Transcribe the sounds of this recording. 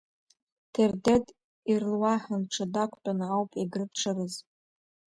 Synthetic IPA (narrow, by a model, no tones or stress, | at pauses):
tʰerdetʼ | irlwaħanʈ͡ʂʰadakʷʰʼt͡pʼanɨawpʼiɡrɨpʰʈ͡ʂʰarɨz